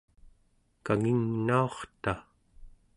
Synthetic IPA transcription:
kaŋiŋnaoχt̪a

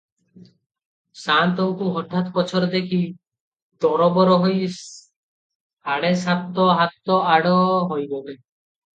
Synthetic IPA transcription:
sant̪ɔŋkuɦɔʈ̪ʰːat̪pɔt͡ʃʰɔɾɔd̪ekʰi | d̪ɔɾɔbɔɾɔɦɔj | aɽesat̪ːɔɦat̪ːɔaɽɔɦɔjɡɔbe

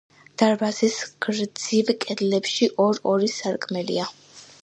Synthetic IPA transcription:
d̪̥aɾbasisɡ̥ɾd̪zivkʼɛd̪lɛpʃiʔɔɾɔɾisaɾkʼmɛlḭa

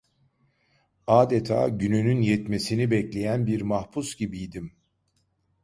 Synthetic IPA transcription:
aːd̪et̪ʰa̰ːɟynynynjɛt̪me̞sinibɛclʲe̞jænbiɾmahpʰusɟibijd̪im

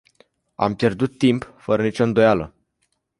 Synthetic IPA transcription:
a̰mpje̞rd̪ut̪ːimpfəɾənit͡ʃo̞ɨnd̪o̞jalə̰

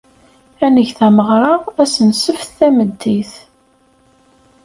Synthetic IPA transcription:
ænəʝθæməʁɾˤɑʁæsənsəfθθæməd̪ːiθ

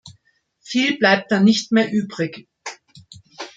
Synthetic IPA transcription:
fiːlblaɪp̚t̚d̥anɪçtmeːɐʔyːbʁɪç

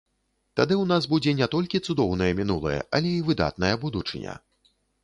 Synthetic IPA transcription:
t̪ad̪ɨwnazbud͡zʲɛnʲɛt̪ɔlʲkʲit̪sud̪ɔwnɐjɛmʲinulˠɐ̰jɛ̰ʔɐlʲɛivɨd̪a̰t̪̚nɐjɛbud̪ut͡ʂɨnʲɐ̰

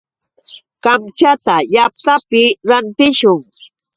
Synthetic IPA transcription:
kamt͡ʃat̪ajap̚t̪apɪɾant̪ɪʃʊŋ

